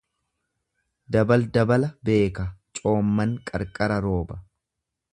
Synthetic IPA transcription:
d̪ɐbɐld̪ɐbɐlɐbe̞ːkɐt͡ʃʼo̞ːmːɐŋkʼɐɾkʼɐɾɐɾo̞ːbɐ̥

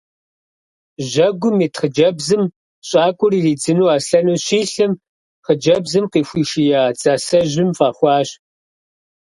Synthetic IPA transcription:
ʒɐɡʷʊmiːtʰχəd͡ʒɐbzɨm | ɕʼaːkʷʼʊriːriːd͡zɨnuːaːsɬɐnuːɕiːɬɨm | χəd͡ʒɐbzɨmqiːxʷiːʃijaːt͡sʼaːsɐʒɪmfaːχʷɑːɕ

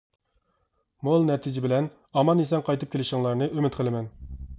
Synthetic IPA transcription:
molˠnɛt̪ʰid͡ʒɪbɪlɛn | ɑmɑnesɛŋqʰɑjt̪ɨp̚kʲelɪʃɪŋlˠɑɾnɨʔømɪt̪qʰəlˠɨmɛn

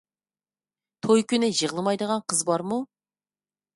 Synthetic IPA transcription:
t̪ʰojkʲʰynɪʒəʁlˠɨmɑjd̪əʁɑnqʰəzbɑɾmu

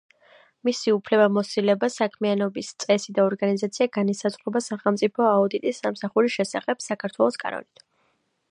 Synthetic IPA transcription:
misiupʰlɛbamɔsilɛbasakʰmianɔbist̪sʼɛsid̪aɔɾɡanizat̪sʰiaɡanisazχɾɛbasaχɛlˠmt̪sʼipʰɔaud̪it̪ʼisːamsaχuɾiʃɛsa̰χɛb̥sakʰaɾt̪ʰwɛlˠɔskʼa̰nɔ̰nit̪ʰ

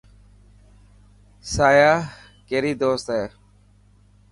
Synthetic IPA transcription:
saːjaː | keːɾiːd̪oːst̪ɦeː

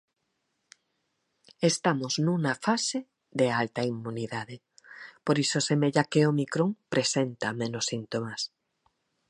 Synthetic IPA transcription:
est̪amoznũŋafase | ðealt̪aimmuniðaðe | poɾisosemeʎakeomikɾoŋpɾesent̪amẽnosint̪omas

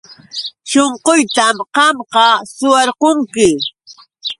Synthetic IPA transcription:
ʃoɴqojt̪amqɑmqɑsʊwɑɾqoŋkɪ

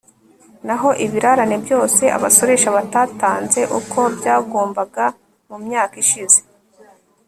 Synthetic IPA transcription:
naɦo̞ʔiβiɾaɾanebjo̞ːse̞ʔa̰βaso̞ɾe̞ʃaβataːtaːnze̞ʔukʰo̞bɟaːɡo̞ːmbaɡa | mumɲaːkiʃize̥

